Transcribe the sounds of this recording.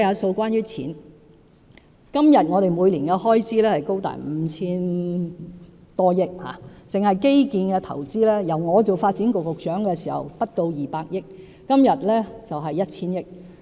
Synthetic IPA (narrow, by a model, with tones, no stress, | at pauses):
jaː˨˧so˧wkʷaː˥njyː˥t͡sʰḭː˨˥n | kɐ˥mjɐ˨t̚ŋɔː˨˧ɾe˨jmuː˨˧jliː˨˩nkɛː˧hɔː˥jt͡sʰiː˥lɛː˥hɐ˨jko˥wt̪a̰ː˨˩m̩˨˧t͡sʰiː˥n | t̪ɔː˥jɪ˥k̚ha̰ː˨˩t͡sɪ˨ŋhɐ˨jke˥jkiː˧nkɛː˧t̪ʰɐ̰˨˩wt͡siː˥lɛː˥jɐ˨˩wŋɔː˨˧t͡so˨˩wfaː˧t̚t͡si˨˥nkʊ˨kːʊ˨˩k̚t͡ʃœː˨˥ŋkɛː˧sḭː˨˩hɐ̰˨˩wpɐ˥t̚t̪o˧wjiː˨˩paː˧k̚jɪ˥k̚ː | ɐ˥mjɐ˨t̚lɛː˥t͡sɐ˨wɦɐ˨jːɐ˥t̚t͡sʰiː˥njɪ˥k̚